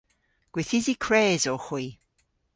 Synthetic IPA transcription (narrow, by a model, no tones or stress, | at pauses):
ɡ̥wɪθɪzikʰɹɛːzɔxwiː